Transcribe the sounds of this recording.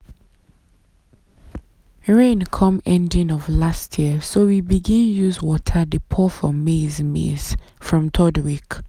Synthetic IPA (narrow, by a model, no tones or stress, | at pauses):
ɹẽnkʰʌ̃mɛ̃ndĩŋɔvlastʰjiəsowibiɡĩnjuzwɔtʰədəpʰɔfɔmezmḛz̥ | fɹɔ̃mtʰɔdwik